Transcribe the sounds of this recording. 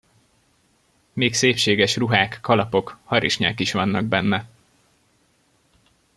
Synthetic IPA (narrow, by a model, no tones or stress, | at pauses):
meːkseːpʃeːɡɛʃruɦaːkːɒlɒpo̞khɒɾiʃɲa̰ːkiʃʋɒnːɒɡ̚bɛnːɛ